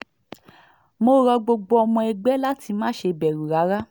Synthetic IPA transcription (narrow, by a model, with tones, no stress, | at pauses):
mo˧˦ɾɔ˧ɡ͡bo˧ɡ͡bo˧ɔ˧mɔ̃˧ɛ˧ɡ͡bɛ˦la˦ti˧mãː˦ʃe˧bɛ˨ɾu˨ɾa˨˦ɾa˦